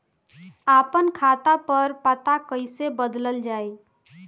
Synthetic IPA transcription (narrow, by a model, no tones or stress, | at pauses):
apənkʰat̪apəɾpət̪akəɪsebəd̪ləld͡ʒaj